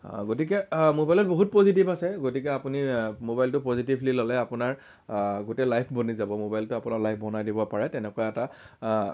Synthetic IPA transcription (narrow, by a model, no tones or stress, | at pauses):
ɡotikɛmobajlɔt̚boɦut̚pozitibasɛɡotikɛapunimobajltʊpozitiblilɔlɛapʊnaɹ | ɡotɛlajpʰbonizabɔmobajltʊapʊnaɹlajpʰbɔnajdibɔpaɹɛtɛnɛkoaɛta